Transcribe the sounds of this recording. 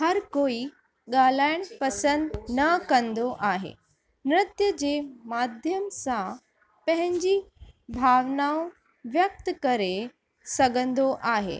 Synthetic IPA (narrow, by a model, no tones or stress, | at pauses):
hɐɾkoːi | ɠaːl̤aːɪɽ̃pɐsə̃nd̪nɐkɐ̃nd̪oʔaːɦḛː | nɾɪt̪jəd͡ʑeːmaːd̪ʱjəmsã | pɐ̃ɦɪ̃ɲd͡ʑibʱaːʋnaːõ | ʋjək̚t̪kɐɾe | sɐɡə̃nd̪oʔaːɦḛː